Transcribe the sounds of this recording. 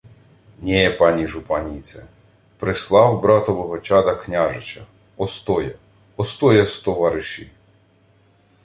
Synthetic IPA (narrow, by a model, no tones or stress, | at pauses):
nʲepɑnʲiʒupɑnʲit̪sɛ | pɾɪslˠɑwbɾɑt̪ɔʋɔɦɔt͡ʃɑd̪ɐknʲaʒɪt͡ʃɐ | ɔst̪ɔjɐ | ɔst̪ɔjɐst̪ɔʋɑɾɪʃi